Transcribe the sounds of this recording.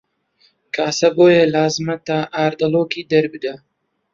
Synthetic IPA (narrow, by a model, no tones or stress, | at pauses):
kaːsɐboːjelaːzmɐt̪aːʔaːɾd̪ɐloːkiːd̪ɐɾbɨd̪a